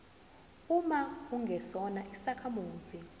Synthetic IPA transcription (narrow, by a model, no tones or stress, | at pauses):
umauŋɡʱɛsɔnaʔisakʰamuːzi